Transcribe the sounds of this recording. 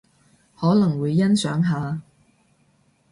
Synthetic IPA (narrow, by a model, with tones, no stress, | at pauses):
hɔː˨˥lɐ˨˩ŋwuː˨˧jːɐ˥nsœ̰ː˨˥ŋɦaː˨˧